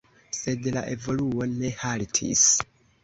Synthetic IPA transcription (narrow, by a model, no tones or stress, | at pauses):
se̞dlaʔe̞vo̞luo̞ne̞haltʰḭs